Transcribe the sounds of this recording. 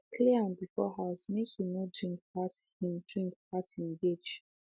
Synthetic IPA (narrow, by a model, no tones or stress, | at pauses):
kʰliãnbifɔɦazmekhinodɹĩŋk̚has | hĩmdɹĩŋk̚pasĩnɡed͡ʒ